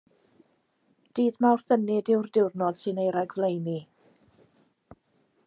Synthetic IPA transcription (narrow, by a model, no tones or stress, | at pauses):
d̥iːðmawr̥θənɪdɪwrdɪwrnɔd̥sɨnejɾɛɡvlˠejni